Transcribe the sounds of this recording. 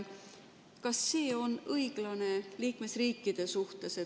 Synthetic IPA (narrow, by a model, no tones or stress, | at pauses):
kɑsːe̞ːo̞nɤjɡ̥lɑne̞liːkme̞sriːkˑːid̪̥e̞suht̪e̞se̞